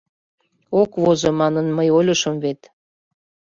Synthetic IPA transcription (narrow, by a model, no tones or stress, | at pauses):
okβozomɑnənməjolʲəʃəmvet̪